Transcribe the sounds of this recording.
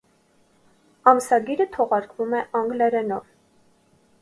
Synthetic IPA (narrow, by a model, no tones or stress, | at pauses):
ɑmsɑɡiɾət̪ʰɔʁɑɾkvumɛʔɑŋɡlɛɾɛnɔv